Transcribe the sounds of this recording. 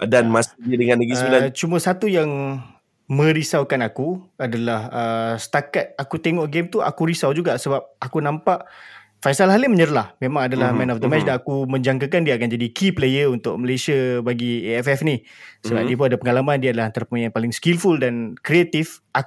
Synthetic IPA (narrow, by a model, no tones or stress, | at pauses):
danmasadəŋãnlaɡisat͡ʃuməsat̪ujaŋ | mə̃ɾisawkanakuadalahəsə̥t̪akat̪̚akut̪eŋɔʔɡemt̪uʔa̰kuɾisawd͡ʒuɡaʔsəbap̚akunãmpaʔ | fajsalɦaliməɲəɾlahmẽmãŋadalahmɛ̃nɔfd̪əmɛt͡ʃdanakumə̃ɲd͡ʒaŋkakandiaakand͡ʒadikiplejəunt̪ʊk̚məlesiabaɡieɛfɛfnisəbap̚diəp̬unadapəŋalamandiadalahant̪aɾapəmaɲanpalɪŋskilfuldankɾeat̪ifa